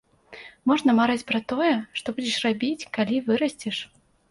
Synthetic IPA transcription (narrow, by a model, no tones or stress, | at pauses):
mɔʐnɐmaɾat͡sʲpɾɐt̪ɔjɛʂt̪ɔbud͡zʲɛʂrabʲit͡sʲkalʲivɨɾɐsʲt͡sʲɛʂ